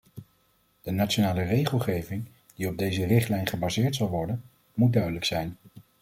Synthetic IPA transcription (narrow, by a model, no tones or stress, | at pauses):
d̥ənat͡ʃonaːlərejχəlˠχejvɪŋ | d̥iɔb̚dejzərɪχtlɛjnχəbazɪːɹtsɑlˠʋɔɹdən | mud̚dœɥdələksɛjn